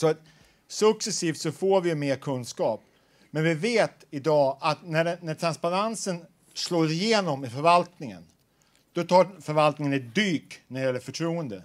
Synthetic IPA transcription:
sɔat̪ | sɵksɛsiːft̪sɔfoːɾvɪjɵmeːɾkʰɵnːskɑːp̚ | mɛnvɪveːt̪ɪd̪ɑːat̪næɖnæʈʰɾanspaɾansən | sloːsɪjeːnɔmɪfœɾvalt̪nɪŋə̰n | d̪̥ɔt̪ʰɑːfœɾvalt̪nɪŋənɛt̪̚d̪yːknæɾɛjɛlːəɾfœʈʰɾuːənd̪ə

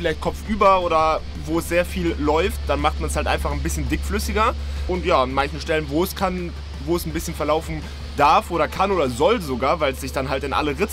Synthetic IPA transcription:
fɪlaɪçt̚kʰɔp͡fʔyːbɐʔoːɾɐ | voːɛsz̥eːɐfiːlːɔʏftd̥anmaχt̚manshaltʔa̰ɪnfaχn̩bɪsçəndɪkflʏsɪɡɐ | ʔʊntjaːanmançən̩ʃtɛlənvoːɛskʰan | voːɛsn̩bɪsçənfɛɐlaʊfn̩ | d̥aɐfʔoːɾɐkʰanʔoːdɐzɔlzoɡaːɐvaɪlsz̥ɪçd̥anɦaltɪnʔa̰ləʁɪt͡s

